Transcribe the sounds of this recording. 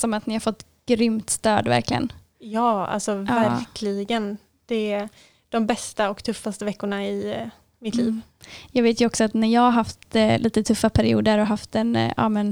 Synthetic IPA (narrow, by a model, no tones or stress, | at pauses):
sɔmat̪nɪhaɾfɔt̪ː | ɡ̥ɾʏmt̪st̪øːd̪væ̰ɾklɪɡə̰n | jɑːa̰lsɔvæɾkʰlɪɡən | d̪̥ɛ | d̪̥ɔmbɛst̪aɔkt̪ʰɵfːast̪əvɛkːʊɳaɪ | mɪt̪ʰliːv | jɑːɡveːt̪jɵɔksɔat̪næɾjɑːhaɾɦaft̪liːt̪ət̪ʰɵfːapʰæɾɪṵːd̪əɾɔɦaft̪ɛna̰ːmɛn